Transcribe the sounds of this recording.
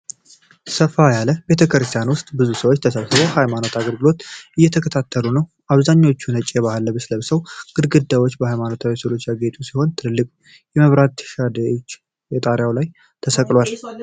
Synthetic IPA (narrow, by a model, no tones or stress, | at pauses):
səfajaləbe̞t̪ʰəkɾɨst̪ʰijanwʊst̪ʼbɨzusəwot͡ʃːt̪ʰəsəβsɨbohajmano̞t̪aɡəlɡɨlo̞t̪ʔɨjːɛt̪ʰəkʰət̪ʰat̪ʰːəlunəw | ʔaβzaɲːawot͡ʃːunət͡ʃʼːeβahɨlːəbɨsləβsəwɡ̥ɨd̪ɡɨd̪ːajwo̞t͡ʃːbəhajmano̞t̪ʰawsəlo̞t͡ʃːjaɡet̪ʼusiho̞nt̪ʰɨlːɨkʼ | jɛməβɾat̪ʃad̪əot͡ʃː | jɛt̪ʼaɾjawlaj | t̪ʰəsəkʼlwal